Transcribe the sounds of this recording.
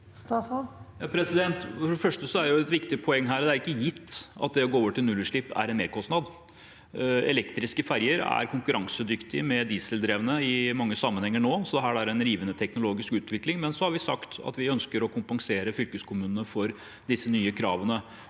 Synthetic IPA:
jɑːpʰɾɛsɪd̪ɛnt̪fɔfɔɾɔfœʂʈəsɔæɾɛjʊɛt̪ʋɪkt̪ɪpʰɔɛŋːɦæːɾd̪ɛæɾɪkːəjɪt̪ːɑ̰t̪̚d̪ɛɔɡoːoːʋəʈɪlnʉlːʉʂɭɪpːæ̰ɾɛnmeːɾkʰɔst̪nɑd̪ | ɛ̰lɛkt̪ɾɪskəfæɾjəɾæ̰ɾkʰʊŋkʉɾɑŋsəd̪ʏkt̪ɪmɛd̪iːsəld̪ɾeːʋənəɪmɑŋːəsɑmːənhɛŋːəɳoːsɔd̪ɛɦæːɾæɾɛnɾiːʋənət̪ʰɛknʊloːɡɪskʉːt̪ʋɪklɪŋmɛnsɔhɑɾʋɪsɑ̰kt̪ʰɑ̰t̪ʋɪœnskəɾɔkʰʊmpɑŋseːɾəfʏlkəskʰʊmʉːnənəfɔɾ | d̪ɪsːənyːəkʰɾɑːʋənə

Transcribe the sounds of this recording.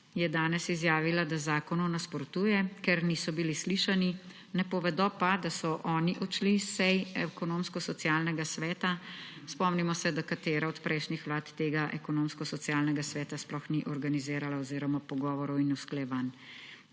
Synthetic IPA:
jɛd̪aːnɛsizjaːʋilad̪azaːkɔnɔnaspɔɾt̪uːjɛkɛɾnisɔbilisliːʃani | nɛpɔʋɛd̪ɔpad̪asɔʔɔːniʔɔt͡ʃlisɛjɛkɔnoːmskɔsɔt̪sijaːlnɛɡasʋɛːt̪aspɔmnimɔsɛd̪akat̪eːɾaɔt̪pɾʔɛjʃnixʋlaːt̪t̪eːɡaʔɛkɔnoːmskɔsɔt̪sjaːlnɛɡasʋɛːt̪asplɔxniʔɔɾɡaniziːɾalaɔziːɾɔmapɔɡɔːʋɔɾɔwinusklɛʋan

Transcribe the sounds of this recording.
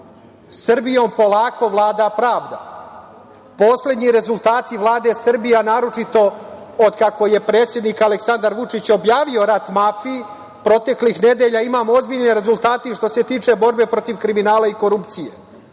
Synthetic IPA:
sr̩bijo̞ːmpo̞laːko̞ʋlˠaːd̪apɾaːʋd̪a | po̞sle̞d̪ɲiɾe̞zulˠt̪aːt̪iʋlˠaːd̪e̞sr̩bijanaːɾo̞t͡ʃit̪o̞od̪kako̞je̞pɾe̞ːt̪sʲje̞d̪nikaleksand̪aɾʋut͡ʃit͡ɕo̞bjaːʋio̞ɾat̪mafi | pɾo̞t̪e̞klixne̞d̪e̞ʎaimaːmo̞zbiːʎneɾe̞zulˠt̪aːt̪iʃt̪o̞se̞t̪iːt͡ʃe̞bo̞ɾbe̞pɾo̞t̪iʋkɾiminaːlaiko̞ɾupt̪sije

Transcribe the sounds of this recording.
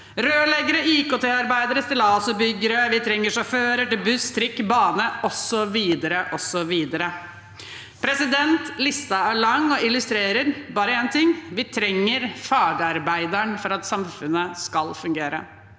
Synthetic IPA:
ɾøːlɛɡəɾəʔiːkot̪ʰeːɑɾbæɪd̪əɾəst̪ɪlɑsɔbʏɡːəɾəʋɪt̪ʰɾɛŋːəʂɑføːɾəʈɪlbʉst̪ʰɾɪkːbɑːnəʔɔsːɔʋiːd̪əɾəʔɔsɔʋiːd̪əɾə | pʰɾɛsɪd̪ɛnt̪lɪst̪ɑæɭɑŋːɔɪlʉst̪ɾeːɾəɾbɑːɾəeːnt̪ɪŋːʋɪt̪ʰɾɛŋːəɾfɑːɖəɑɾbæɪd̪əɳfɔɾɑt̪sɑmfʉnːəskɑlfʉŋɡeːɾə̰

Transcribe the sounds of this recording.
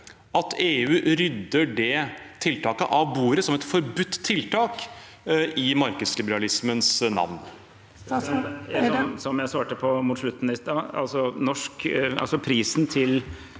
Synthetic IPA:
ʔɑt̪eːʉːɾʏd̪ːəɖɛt̪ʰɪlt̪ɑːkəʔɑʋbuːɾəsɔmɛt̪fɔɾbʉt̪ːt̪ʰːɪlt̪ʰɑːk | ɪmɑɾkəslɪbəɾɑlɪsmənsnɑ̰ʋn | sɔsɔmjæɪsɑːʈəpʰɔmʊːt̪ʂɭʉt̪ːnəɪst̪ɑɑ̰lsɔnɔʂkɑ̰lsɔpʰɾiːsn̩t̪ʰɪl

